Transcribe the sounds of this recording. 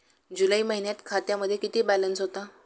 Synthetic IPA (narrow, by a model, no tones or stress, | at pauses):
d͡ʑuləiməɦinjat̪kʰat̪jaməd̪ʱːjekit̪iːbælənsɦot̪a